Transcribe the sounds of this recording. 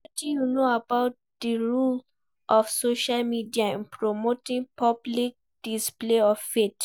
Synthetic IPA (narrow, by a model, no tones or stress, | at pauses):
tĩjunoabaʊt̚ | dəɹul | ʔɔfsoʃalmidiaɛ̃npʰɹɔmotĩŋpʰʌblik̚d̥ispleɔfːet